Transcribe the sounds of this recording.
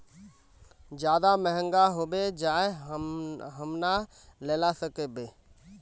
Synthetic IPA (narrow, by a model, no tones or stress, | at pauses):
d͡ʒjaːd̪amɛɦə̃ŋɡaɦoːbed͡ʒaːe | ɦəmna | leːlasəkebeː